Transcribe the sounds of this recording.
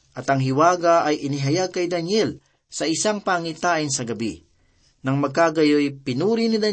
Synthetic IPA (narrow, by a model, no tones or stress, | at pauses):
ʔɐt̪ɐŋɦɪwaːɡɐaɐjɪnɪɦɐjaɡ̚kɐjd̪ɐnjɛl | sɐɪsaŋpaŋit̪aːʔɪnsɐɡɐbi | nɐŋmɐɡ̚kaɡɐjojpɪnuːɾinɪd̪ɐ